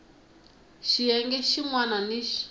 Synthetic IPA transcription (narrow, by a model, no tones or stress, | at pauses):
ʃijɛŋɡɛʃiŋwananiʃi̥